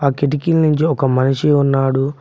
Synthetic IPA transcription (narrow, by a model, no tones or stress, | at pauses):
aːkeʈ̬ikilnuɲt͡ʃiɔkɐmɐnɐʂiunːaːɽu